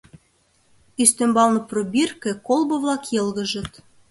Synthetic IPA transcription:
yst̪ø̆mbɑlˠnɤ̆probʲirkĕkolˠbɤ̆βlˠɑkjɤ̆lɣə̆ʒə̆t̪

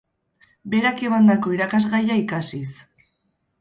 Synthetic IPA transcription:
be̞ɾake̞mand̪ako̞iɾakazɣajaikasis

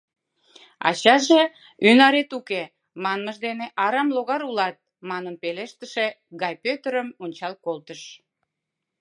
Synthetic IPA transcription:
ɑ̰t͡ɕɑʒe | ynɑɾet̪uke | mɑnməʒd̪eneʔɑɾɑmloɣɑɾulɑt̪̚ | mɑnəmpeleʃt̪əʃe | ɡɑjpøt̪əɾəmunʲt͡ɕɑlkolt̪əʃ

